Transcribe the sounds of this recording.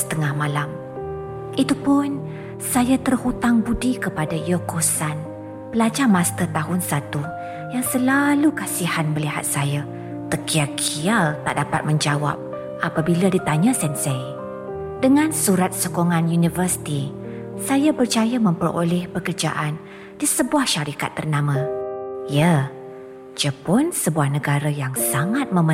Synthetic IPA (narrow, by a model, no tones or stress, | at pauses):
sə̥t̪əŋahmãlam | ʔit̪upʊn | sajat̪ərhut̪aŋbudikəpadajokosan | pəlad͡ʒarmãst̪ət̪aɦʊnsat̪u | jaŋsəlalukasihanməliha̰t̪̚saja | t̪əkʰiakʰialt̪a̰ʔdapa̰t̪̚mə̃ɲd͡ʒawa̰p̚ | apabiladit̪aɲãsɛnsej | dəŋãnsuɾat̪̚sokoŋãnjunivərsi̥t̪isajabərt͡ʃajamə̃mpəro̰lɛhpəkərd͡ʒa̰ʔan | disəbuahʃaɾika̰t̪ːərnãmãjə | d͡ʒəpʊnsəbuahnəɡaɾajaŋsaŋat̪̚mə̃mə